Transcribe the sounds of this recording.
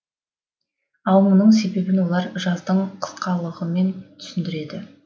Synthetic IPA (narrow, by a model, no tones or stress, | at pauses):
ɑwmənəɴse̞be̞bɪnwo̞lˠɑɾʒɑzd̪əɴqʰə̥sqɑlˠəʁəme̞nt̪ʰʏ̥sɪnd̪ɪɾe̞d̪ɪ